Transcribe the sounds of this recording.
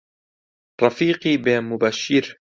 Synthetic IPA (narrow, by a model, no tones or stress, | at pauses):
ɾˤɑfiːqiːbeːnmʊbaʃːɪɾ